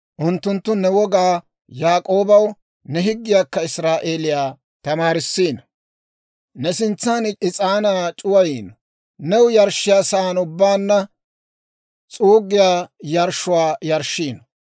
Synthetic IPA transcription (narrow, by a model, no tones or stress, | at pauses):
ʔʊnt̪ːʊnt̪ːʊnɛwɔɡaː | jaːkʼo̞ːbɐw | nɛɦɪɡːɪjaːkːɐɪsɾaːʔe̞ːlɪjaː | t̪ɐmaːɾɪsːiːnɐ | nɛsɪnt͡sːanɪt͡sʼaːnaːt͡ʃʼʊwɐjiːnɐ | nɛwjɐɾʃːɪjaːsaːnʊbːaːnːɐ | t͡sʼuːɡːɪjaːjɐɾʃʊwaːjɐɾʃːiːnɐ